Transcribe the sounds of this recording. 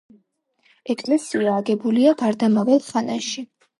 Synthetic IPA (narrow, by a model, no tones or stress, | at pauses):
ɛkʼlɛsiaːɡɛbuliabaɾd̪amavɛlˠχanaʃi